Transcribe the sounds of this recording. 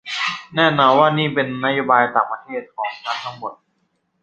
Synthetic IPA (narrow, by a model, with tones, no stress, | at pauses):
nɛː˥˩nɔː˧nwaː˥˩niː˥˩pe˧nːa˦˥joː˦˥˩baː˧jt̪a̰ː˨˩ŋpɾa˧t̪ʰeː˥˩t̪̚kʰɔː˩˦ŋkaː˧˥˩nt̪ʰa˥ŋmo˨˩t̪̚